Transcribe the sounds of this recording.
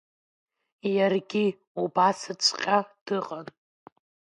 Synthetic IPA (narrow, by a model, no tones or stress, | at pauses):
jarɡʲi | ubasɨt͡ʃʷʼqʲʼad̥ɨʁʼan